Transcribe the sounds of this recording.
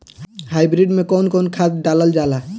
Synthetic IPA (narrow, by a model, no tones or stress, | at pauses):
hajbɾiɖmẽkonkonkʰat̪ɖaləld͡ʒala